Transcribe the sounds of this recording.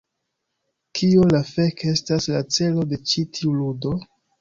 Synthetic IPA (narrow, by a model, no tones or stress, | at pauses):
kʰiolafe̞ke̞staslat͡se̞lo̞de̞t͡ʃitʰiuludo̞